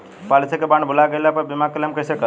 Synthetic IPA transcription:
palit̪ʰekebãɳɖbʱulaɡəlapəɾbimakəleəmkəsekə

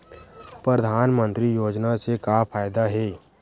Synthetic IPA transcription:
pɾəd̪ʱaːnmə̃nt̪ɾijoːd͡ʒnasekapʰaːjd̪aɦɛː

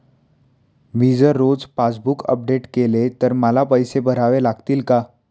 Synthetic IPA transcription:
mid͡zəɾːod͡zpat͡sbukə̰p̚ɖeʈkelet̪əɾməlapəjsebʱəɾaʋelaɡt̪iːlka

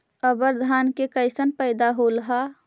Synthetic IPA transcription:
əbəɾd̪ʱaːnkekəɪsənpəɪd̪aɦolɦa

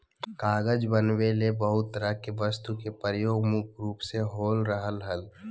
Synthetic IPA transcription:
kaːɡəd͡ʒbənwelebəɦʊt̪ːəɾəkeʋəst̪ukepəɾəjoːɡmʊkɾuːpseɦoːlɾəɦəlɦəl

